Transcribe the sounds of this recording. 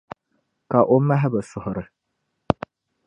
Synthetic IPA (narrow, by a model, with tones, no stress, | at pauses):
ka˨ʔo˦ma˦ɦɛ˦bɨ˨sʊ˨hʊ˨ɾɨ˨